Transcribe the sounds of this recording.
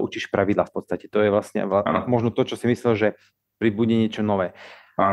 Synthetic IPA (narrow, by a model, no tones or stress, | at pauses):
ʔut͡ʃiʃpɾaʋid̪laːfpɔt̪st̪acɛt̪ɔjɛʋlasɲɛ̰amɔʒnɔt̪ɔt͡ʃɔsimislɛlʒɛ | pɾibuɟɛɲɛt͡ʃɔnɔʋɛː | a